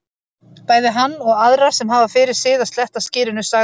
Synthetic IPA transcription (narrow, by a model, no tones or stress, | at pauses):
paːjðɪɦanːɔɣaðɾḁsɛmɦaːvafɪːɾɪɾ̥sɪːðḁst̪lɛht̪ascɪːɾɪnʏsaː